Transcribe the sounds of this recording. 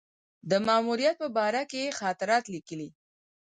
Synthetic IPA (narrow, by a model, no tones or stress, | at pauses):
d̪əmɑmuɾijat̪̚pəbɑɾakexɑt̪ɪɾɑt̪likəli